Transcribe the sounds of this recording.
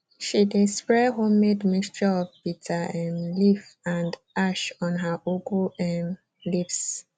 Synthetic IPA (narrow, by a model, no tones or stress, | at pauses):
ʃidispɹɛɦommedmistɹiɔvpitʰaɛmlifãnd | aʃɔ̃nɦaʔokulɛm | lips